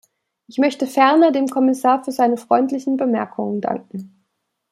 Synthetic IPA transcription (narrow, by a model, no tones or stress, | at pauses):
ʔɪçmœçtəfɛɐnɐdeːmkʰɔmɪsaːɐfyːɐzaɪnəfʁ̥ɔʏntlɪçn̩bəmɛɐkʰʊŋənda̰ŋkŋ̩